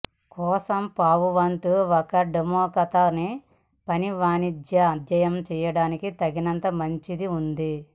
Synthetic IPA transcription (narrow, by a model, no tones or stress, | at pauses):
kɔːsɐmpaːʋuʋɐnt̪uʋɔkɐɖemɔːkɐt̪aːni | pɐniʋaːnid̪jɐɐd̪jɐjɐmt͡ʃɛːjɐɽaːnikit̪ɐɡinɐnt̪ɐmɐɲt͡ʃid̪iund̪i